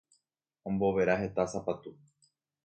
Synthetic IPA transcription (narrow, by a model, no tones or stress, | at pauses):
õmbo̞ʋe̞ɾaɦe̞t̪asapat̪u